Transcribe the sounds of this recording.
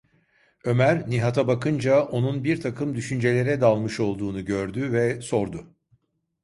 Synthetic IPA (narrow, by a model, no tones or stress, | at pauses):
ø̞mæɾniɦat̪ʰabakɯnd͡ʒao̞nunbiɾt̪ʰakʰɯmd̪yʃynd͡ʒe̞lʲe̞ɾɛd̪alˠmɯʃo̞lˠd̪uːnuɟø̞ɾd̪yvɛso̞ɾd̪ʊ